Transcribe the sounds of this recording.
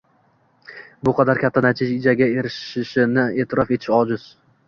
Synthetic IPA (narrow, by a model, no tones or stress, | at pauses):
bʊqʰɑd̪aɾkʲʰat̪ʰːanat͡ʃ̪ʰɪʃɪd͡ʒaɡʲae̞ɾɪʃɪʃɪnɪe̞ːt̪ʰɪɾɒfet̪ʰɪ̥ʃɒd͡ʒʊz̥